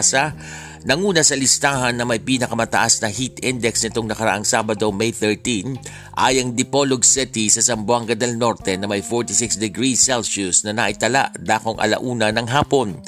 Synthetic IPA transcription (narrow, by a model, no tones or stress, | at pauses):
sɐ | nɐŋuːnɐsɐlɪst̪aːhɐnːɐmɐjpiːnɐkɐmɐt̪ɐʔasnɐhit̪ɪnd̪ɛksnɪt̪oŋnɐkɐɾɐ̰ʔaŋsaːbɐd̪o̞mejθɛɹt̪in | ʔa̰ːjɐŋd̪ɪpo̞loɡsɪt̪isɐsɐmbʊaŋɡɐd̪ɐlno̞ɾt̪ɛnɐmɐjfoɹt̪ɪsɪksd̪ɛɡɾisɛlʃusnɐnɐʔɪt̪ɐla̰ʔd̪aːko̞ŋʔɐ̰lɐ̰ʔuːnɐnɐŋɦaːpo̞n